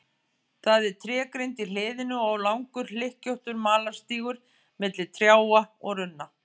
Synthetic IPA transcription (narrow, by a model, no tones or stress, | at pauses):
θaðɛɾ̥t̪ʰɾɛːkɾejnt̪ilɪːðɪnʏɔwlawŋkʏɾ̥l̥ɪhcowht̪ʏɾmaːlḁst̪iːɣʏɾ̥ | mɪt̪lɪ̥t̪ʰɾjaːwaɔɣrʏnːa